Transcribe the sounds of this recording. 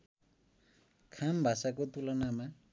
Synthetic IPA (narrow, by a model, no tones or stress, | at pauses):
kʰambʱasakot̪ulʌnama